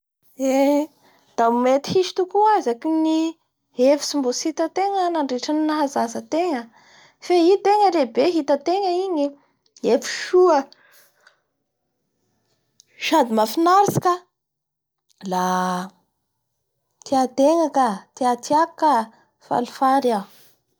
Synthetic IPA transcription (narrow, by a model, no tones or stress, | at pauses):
e | d̪̥aumet̪i̥hiʃi̥t̪ukuazakini | efi̥simbosit̪ət̪eŋənaɳɖ͡ʐeʈ͡ʂaninaɦazazət̪eŋə | feit̪eŋəɾebeɦit̪ət̪eŋəiɲi | efi̥ʃuə | ʃad̪imafinaɾsi̥ka | la | t̪iat̪eŋakat̪iat̪ʰakːa | fa̰lufaɾa